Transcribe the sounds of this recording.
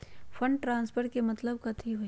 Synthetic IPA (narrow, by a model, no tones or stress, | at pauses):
fɐ̃ɳɖʈɾãːnspʰəɾkemɐt̪ləbkɐt̪ʰiɦo